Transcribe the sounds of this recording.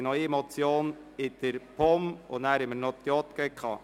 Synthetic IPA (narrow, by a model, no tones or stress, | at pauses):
nɔʏɛmɔt͡sjoːn | ɪd̪̥əɾpɔmʊnæːɾɪmənot̪jɔt̪kɛkʰɑ̰ː